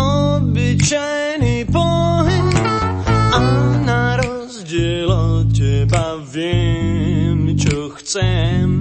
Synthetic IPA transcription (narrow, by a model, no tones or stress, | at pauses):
ɔbɪt͡ʃajnipɔɦɛɲ | anaɾɔzɟɛlɔcɛbavjɛ | mt͡ʃɔxt͡sɛm